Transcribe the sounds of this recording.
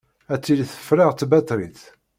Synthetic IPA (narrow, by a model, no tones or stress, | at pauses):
æt͡sːilθə̥fɾaʁt͡s̪ːbæt̪ɾiθ